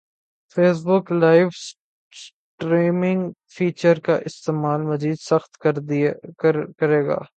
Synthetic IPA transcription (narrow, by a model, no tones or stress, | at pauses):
feːs̬bʊklaːɪfs | s | ʈɾeːmɪ̃ŋɡ | fʰiːt͡ʃəɾkaʔɪst̪eːmaːlmɐziːd̪sɐxt̪ | kɐɾeːɡa̰ː